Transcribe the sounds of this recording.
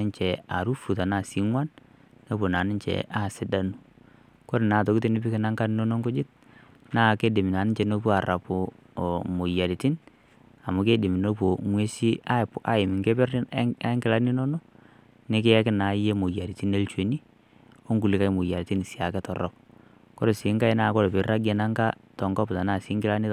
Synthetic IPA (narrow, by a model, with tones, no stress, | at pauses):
ɪ˦nt͡ʃɛ˨a˨ɾu˦fu˨ta˨na˦˨si˦ŋwa˦n | no˦po˨na˨nɪ˦t͡ʃɛ̰˨ʔa˨sɪ˦da˦nu˨ | ko˦ɾɪ˨na˨t̬o˨ki˦ti˦nɪ˦pɪ˦kɪ˦na˦ŋka˦n˦no˦no˦ŋkʊ˦d͡ʒɪ˦t̚ | na˦˨ke˦de˨mi˨na˨nɪ˦nt͡ʃɛ˨no˦pu˦a˨ɾa˨pʊ˨ | mo˨ja˨ɾi˨ti˦n | a˨mʊ˨˦ke˦dɪ˨mɪ˨no˦po˨mwe˦si˦a˦˨pʊ˨ʔa˦ɪ˨mɪ˨ŋke˦pɛ˦ra˦ŋkɪ˦la˦ni˦nɔ˦no˦ | nɪ˦k̬ɪ˦ɛ˦kɪ˦na˨˦je˦mo˨ja˨ɾi˨ti˦ne˦lt͡ʃwe˨ni˦ | o˦ŋɡu˨lɪ˨ka˦ɪ˦mʊ˨ja˨ɾi˨tɪ˦nɪ˨sia˨kɛ˦tɔ˨rɔ̰˦k̚ | kɔ˦ɾe˨sɪ˨˦ŋka˦ɪ˦na˦˨kɔ˦ɾe˨pɪ˨ɾa˦ɡe˨na˦ŋka˦tɔ˨ŋɡɔ˦pta˨naː˦˨sɪː˦ŋɡɪ˦la˦ni˦